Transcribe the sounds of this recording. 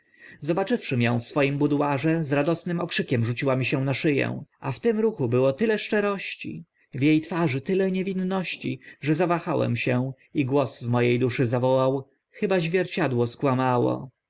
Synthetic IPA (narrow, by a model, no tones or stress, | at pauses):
zɔbat͡ʂɘfʂɘmʲjɔ̃w̃fsfɔjimbud̪waʐɛzɾad̪ɔsnɘmɔkʂɘkʲɛmʐut͡ɕiwamʲiɕɛ̃naʂɘjɛ̰w̃aft̪ɘmɾuxubɘwɔt̪ɘlɛʂt͡ʂɛɾɔɕt͡ɕḭ | vjejt̪faʐɘt̪ɘlɛɲevʲinːɔɕt͡ɕḭʐɛzavaxawɛ̰mɕɛ | iɡwɔsvmɔjejd̪uʂɘzavɔwaw | xɘbaʑvʲjɛɾt͡ɕad̪wɔskwamawɔ̰